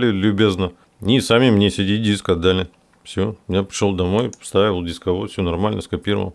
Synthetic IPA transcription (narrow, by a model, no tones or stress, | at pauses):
lʲɪlʲʊbʲeznə | nʲisamʲɪmnʲesʲɪdʲidʲiskɐd̪ːalʲɪ | fsʲomʲnʲapɾʲʂolˠd̪ɐmo̞jfst̪ɾaɪəlˠdʲɪskɐvofsʲunɐrmalʲnəskɐpʲiɾə̰və̰lˠ